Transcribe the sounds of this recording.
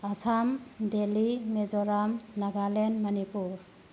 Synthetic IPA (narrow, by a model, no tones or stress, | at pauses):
asamdelimezɔɾamnaɡalenmanipuɾ